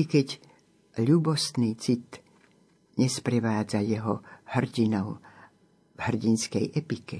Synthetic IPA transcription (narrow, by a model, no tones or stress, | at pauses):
ikɛɟ | ʎuːbɔst̪niːt͡sit̪ | ɲɛspɾɛʋaːd͡zajɛɦɔhr̩ɟinɔʊ | vhr̩ɟinskɛjʔɛpikɛ